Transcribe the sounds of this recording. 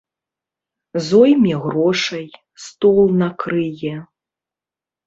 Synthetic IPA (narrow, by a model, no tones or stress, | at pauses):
zɔjmʲɛɣɾɔʂɐj | st̪ɔlˠnɐkɾɨjɛ